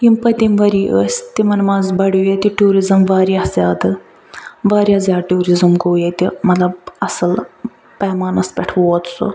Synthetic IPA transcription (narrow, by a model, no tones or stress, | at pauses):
jimpɐt̪ʲimʋɐɾiːʔəːsʲt̪imɐnmaːzbɐɽujet̪ʲiʈuːɾizɨmʋaːɾjaːzʲaːd̪ɨ | ʋaːɾjaːzʲaːʈuːɾizɨmɡoːjet̪imɐt̪lɐb̚ɐsɨl | pɐmaːnɐspʲɛʈʰʋoːt̪so̰